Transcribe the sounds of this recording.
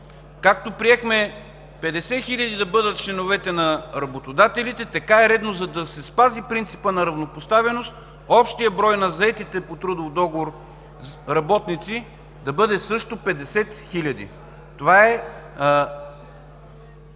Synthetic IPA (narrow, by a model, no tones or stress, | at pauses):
kak̚t̪opɾiɛxmɛ | pɛd̪ɛsɛxilʲɐd̪id̪ɐbɤd̪ət̪̚t͡ʃlɛnovɛt̪ɛnɐɾɐbot̪od̪at̪ɛlit̪ɛt̪ɐkaɛɾɛd̪nozɐd̪ɐsɛspazipɾint̪sipənɐɾɐvnopost̪avɛnost̪ | ɔpʃt̪ijəbɾɔjnɐzɐɛt̪it̪ɛpot̪ɾɤd̪ofd̪ɔɡovoɾ | ɾɐbɔt̪nit̪si | d̪ɐbɤd̪ɛsɤʃt̪opɛd̪ɛsɛt̪xilʲɐd̪ḭ | t̪ovaɛ